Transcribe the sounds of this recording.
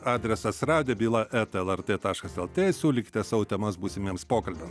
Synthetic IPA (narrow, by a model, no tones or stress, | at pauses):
ɑːd̪ʲɾʲɛsɐsɾɑːd̪ʲɪɛbʲiːlˠɐʔɛt̪ɛlˠɛɾt̪ʲeːt̪ɑːʃkɐsɛlˠt̪ʲeːsʲuːlʲɪkʲɪ̥t̪ʲɛsɑːʋoːt̪ʲɛmɐsbuːsʲɪmʲiɛmspoːkɐlʲbʲɛms